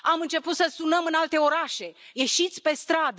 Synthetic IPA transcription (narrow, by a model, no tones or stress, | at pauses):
amɨnt͡ʃe̞put̪səsunəmɨnalt̪e̞o̞ɾaʃe̞je̞ʃit̪sʲpe̞st̪ɾad̪